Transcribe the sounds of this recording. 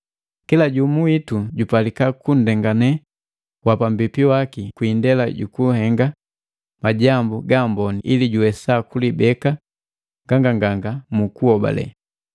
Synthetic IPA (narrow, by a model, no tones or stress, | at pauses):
kilaɟumuituɟupalikakun̩dɛŋɡanɛ | wapam̩bipiwakikwindɛlaɟṵkuhɛŋɡa | maɟambuɡambɔniʔiliɟuwɛsakulibɛka | ŋɡaŋɡaŋɡaŋɡamukuɔba̰lɛ̰